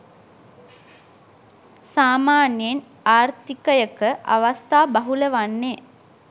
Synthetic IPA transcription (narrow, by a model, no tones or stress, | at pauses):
saːmaːnjen | aːrt̪ikəjəkəʔa̰ʋast̪aːbaɦuləʋanːeː